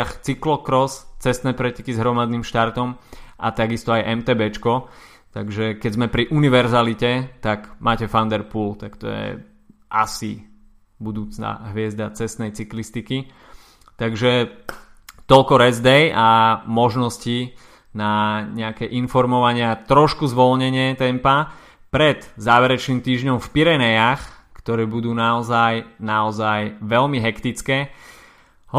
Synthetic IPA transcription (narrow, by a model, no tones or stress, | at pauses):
axt͡siklɔkɾɔst͡sɛst̪nɛːpɾɛcɛkizɦɾɔmad̪nimʃt̪aɾt̪ɔmʔa̰t̪aɡist̪ɔajʔɛmt̪ɛːbɛt͡ʃkɔ | t̪aɡʒɛkɛɟzmɛpɾiʔuniʋɛɾzalicɛt̪aɡmaːcɛfand̪ɛɾpuːlt̪akt̪ɔ̰jɛ̰ | a̰sḭ | bud̪uːt͡sna̰ɦʋɪɛzd̪at͡sɛst̪nɛjt͡siklist̪iki | t̪aɡʒɛ | t̪ɔlkɔɾɛzd̪ɛjamɔʒnɔsci | naɲɛakɛʔinfɔɾmɔʋaɲɪat̪ɾɔʃkuzʋɔlɲɛɲɪɛt̪ɛmpa | pɾɛd̪zaːʋɛɾɛt͡ʃniːmt̪iːʒɲɔmfpiɾɛnɛjax | kt̪ɔɾɛːbud̪uːnaɔzajnaɔzajʋɛlmiɦɛkt̪it͡skɛː | ɦ